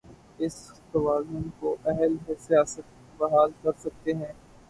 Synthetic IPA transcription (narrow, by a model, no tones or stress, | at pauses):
ɪst̪ɐʋaːzʊnkoʔɛɦəlɦsijaːsət̪̚ | bɐɦaːlkɐɾsɐk̚t̪eɦɛ̃ː